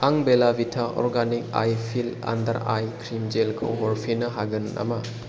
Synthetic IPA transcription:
aŋbelabitʰaʔɔ̰ɾɡanik̚a̰jpʰila̰ndɐ̰ɾajkʰɾimd͡ʒelkʰɯwɦɔɾpʰinɐɦaɡɯna̰mɐ

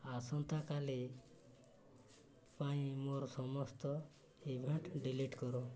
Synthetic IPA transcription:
asɔnt̪akali | paĩmoɾsɔmɔst̪ɔ | ibʱeɳʈɖiliʈkɔɾu

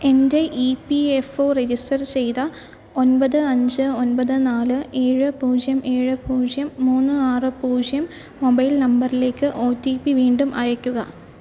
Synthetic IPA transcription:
e̞ndeʔipiefo̞ːred͡ʑisʈɐrt͡ɕe̞jt̪ɐ | onpɐðɨɐɲd͡ʑɨonpɐðɨnaːlɨe̞ːɻɨpuːd͡ʑjɐme̞ːɻɨpuːd͡ʑjɐmːuːnːɨaːrɨpuːd͡ʑjɐmː | obɐjlnɐmbɐrile̞ːkːɨʔo̞ːtːipiʋiːɳɖumʔɐjɐkʲːuɣɐ

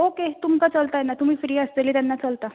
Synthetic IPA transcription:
oket̪umkat͡səlt̪ajɛnat̪um̤iːfɾiːəsleliːt̪anːat͡səlt̪a

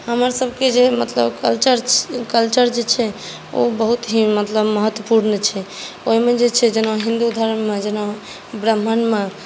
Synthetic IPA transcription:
həməɾsəbʱked͡ʒemət̪ləbkəlt͡ʃəɾkəlt͡ʃəɾd͡ʒet͡ʃʰɛ | o̰bəɦut̪ɦĩmət̪ləbməɦət̪wəpuɾnət͡ʃʰɛ | oimed͡ʒet͡ʃʰɛd͡ʒenãɦĩnd̪ud̪ʱaɾənmed͡ʒena | bɾəm̤ʱːənme

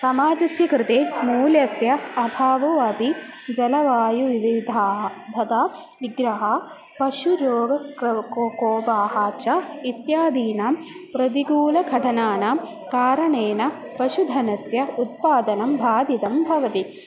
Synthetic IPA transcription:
sɐmaːd͡ʒɐsjɐkɾɪt̪eːmuːljɐsjɐːbʱaːʋoːɐbʱi | d͡ʒɐlɐʋaːjuʋiʋid̪ʱaːɦd̪ʱɐt̪aː | ʋiɡɾɐɦɐ | pɐʃuɾoːɡɐkkoːkoːbaːɦaːt͡ʃɐit̪jaːd̪iːnapɾɐt̪̬iɡuːlɐɡʱɐʈʰɐnaːna | kaːɾɐɳeːnɐ | pɐʃud̪ʱɐnɐsjɐut̪̚paːd̪ɐnɐmbʱaːd̪it̪ɐmbʱɐʋɐt̪i

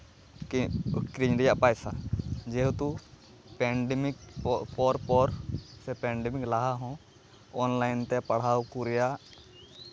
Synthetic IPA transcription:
kɾiɲɾɛjaʔpajsa̰d͡ʒɛɦut̪u | pɛɳɖɛmikpɔɾpɔɾsɛpɛ̃ɳɖɛmiklaɦaɦɔ̃ | ɔnlajnt̪ɛpaɽ̤awkuɾɛja

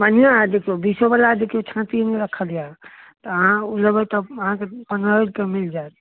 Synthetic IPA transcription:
bənijãd̪ekʰijobisobəlad̪ekʰijot͡ʃʰãt̪imeɾəkʰəlijat̪əəɦãuləbət̪ɔəɦãkepənəlkemild͡ʒaet̪

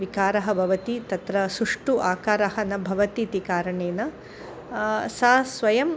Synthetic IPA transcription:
ʋikaːɾɐɦɐ̆bʱɐʋɐt̪it̪ɐt̪ɾɐsuʂʈuʔaːkaːɾɐɦɐnɐbʱɐʋɐt̪it̪ikaːɾɐɳeːnɐ | saːsʋɐjɐm

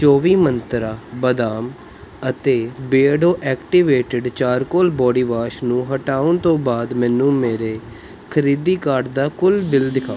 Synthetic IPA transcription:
t͡ʃoːʋiːmənt̪ɾaːbəd̪aːm | ət̪eːbeːɖoːʔɛːkʈiʋeːʈəɖt͡ʃaːɾkoːlbɔːɽiːʋaːʃnũːɦəʈaːʊnt̪õːbaːd̪mɛ̃ːnũːmeːɾeː | kʰəɾiːd̪iːkaːɾɖd̪aːkʊlbɪld̪ɪkʰaː

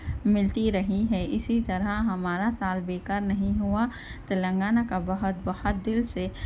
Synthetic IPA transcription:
mɪlt̪iɾɐɦiɦɛʔɪsit̪ɐɾəɦɦɐmaːɾasaːlbeːkəɾnɐɦĩɦua | t̪ɐlə̃ŋɡaːnakabɐɦʊt̪̚bɐhʊt̪̚d̪ɪlse

